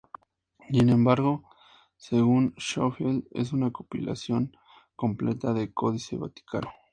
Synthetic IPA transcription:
sinembaɾɣo | seɣunʃofjelḛs̬unakopḭla̰sjo̞ŋ | komplet̪aðekoðiseβa̰t̪i̥kʰano

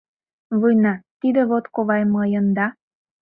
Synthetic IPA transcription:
βɯjnɑt̪id̪ĕβot̪koβɑjmɤ̆jə̆nd̪ɑ

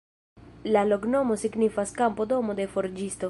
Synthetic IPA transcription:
laloɡno̞mosiɡnifaskampod̪o̞mod̪e̞foɾd͡ʒist̪o

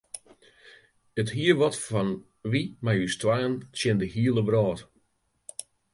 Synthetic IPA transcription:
əthiəʋɔtfɔn | ʋimajystwaːnsjɪndəɦiəlˠəbrɔːt

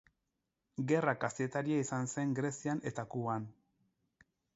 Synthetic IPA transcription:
ɡe̞rakast̪iet̪aɾiaisanse̞ŋɡɾe̞sianʔe̞t̪akuβan

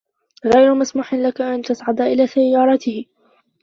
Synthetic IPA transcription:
ɣajɾʊmasmuːħɪnlakaʔant̪asʕad̪aʔɪlaːsajːɑːɾˤɑt̪ɪhɪ

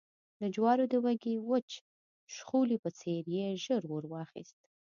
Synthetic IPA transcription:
d̪əd͡ʒwɑɾod̪əwaɡiwət͡ʃ | ʃxulipət͡seɾjeʒəɾwoɾwɑxḭst̪̚

